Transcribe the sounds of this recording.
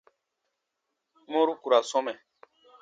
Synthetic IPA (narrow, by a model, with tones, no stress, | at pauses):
mõ˦ɾu˦ku˨ɾa˨sɔ˦mɛ̃˨